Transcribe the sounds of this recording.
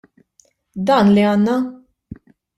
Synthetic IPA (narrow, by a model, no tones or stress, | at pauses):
d̪ɐːnliɐːnːɐ